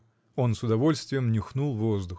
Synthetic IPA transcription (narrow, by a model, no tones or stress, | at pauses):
o̞nsʊd̪ɐvo̞lʲst̪vʲɪjəmnʲɪxnulˠvozd̪ʊx